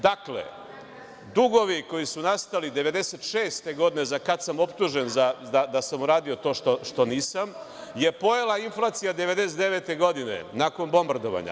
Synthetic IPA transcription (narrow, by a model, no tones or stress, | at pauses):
d̪aklḛ | d̪uɡo̞ʋiko̞jisunast̪alid̪e̞ʋe̞d̪eset̪ʃeːst̪e̞ɡo̞d̪ine̞zakad̪samo̞pt̪uʒe̞nzad̪ad̪asamuɾaːd̪io̞t̪o̞ːʃt̪oʃt̪o̞niːsam | je̞po̞jelˠainflˠat̪sijad̪eʋe̞d̪eset̪eʋe̞t̪e̞ɡo̞d̪ine̞̰naːko̞nbo̞mbaɾd̪o̞ʋa̰ɲa̰